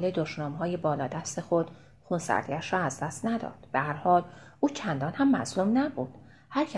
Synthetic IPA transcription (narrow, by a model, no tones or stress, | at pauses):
led̪oʃnɒːmɦɒːje̞bɒːlɒːd̪æst̪e̞xod̪̥ | xunsæ̰ɾd̪iæʃɾɒːæzd̪æst̪næd̪ɒ̰ːd̪̥b̥ehæɾhɒːlʔuːcʰænd̪ɒːnhæmːæ̰zlumnæbuːd̪̥ | hæɾcʰæ